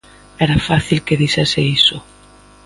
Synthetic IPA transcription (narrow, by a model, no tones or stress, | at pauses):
ɛɾafaθilkeðiʃɛsɪisʊ